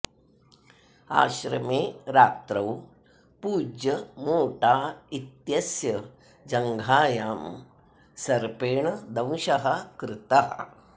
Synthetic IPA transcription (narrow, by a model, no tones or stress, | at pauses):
a̰ːʃɾɐmeːɾaːt̪ɾɐw | puːd͡ʒjɐmoːʈaːit̪jɐsjɐ | d͡ʒɐŋɡʱaːjaːm | sɐɾpeːɳɐd̪ɐ̃wʃɐɦɐkɾɪt̪aɦɐ̰